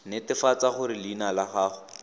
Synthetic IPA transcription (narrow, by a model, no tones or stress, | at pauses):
nɪtɪfat͡saχʊɾɪlinalaχaːχʊ